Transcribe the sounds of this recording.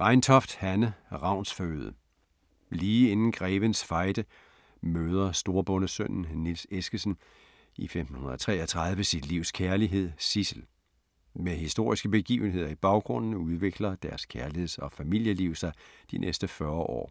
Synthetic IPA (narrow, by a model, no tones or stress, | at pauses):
ʁɑ̈ɪnt͡sʰɒ̽fd̥hænəʁɑ̈ʊ̰nsføøːðˠə | liːe̝nn̩ɡ̥ʁɛːʋənsfɑ̈ɪd̥ə | møːð̞ˠɐsd̥o̝ːɐb̥ɔ̽nəsøn̰n̩nilsesɡ̥əsən | ifemd̥n̩hunɐð̩ˠɒt͡sʰʁɛ̰ːɐt͡sʰʁɑ̈ð̞ˠʋəsid̥liʊ̰skʰæɐliɦe̝ð̞̰ˠsisl̩ | meɦisd̥o̝ɐ̰isɡ̥əb̥e̝ɡ̥ḭːʊn̩ɦe̝ð̞̰ˠɐib̥ɑ̈ʊɡ̥ʁɔ̽n̰n̩uð̞ˠʋe̝ɡ̥lɐd̥æɐskʰæɐlihe̝ðˠsɒ̽fæmil̰jəliʊ̰sɑ̈ɪd̥inʔesd̥əfɶɐʔɒ̰ː